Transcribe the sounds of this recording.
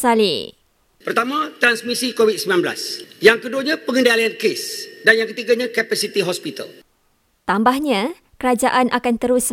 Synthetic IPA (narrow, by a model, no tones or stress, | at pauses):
salḭ | pərt̪amãt̪ɾansmisikowit̪̚səbinãnbla̰sjaŋkəduaɲãpəŋə̃ndaliankesdanjaŋkət̪iɡaɲãkɛpasit̪iɦɔspit̪ə̰l | t̪ambahɲã | kəɾad͡ʒaʔanʔakant̪əɾʊs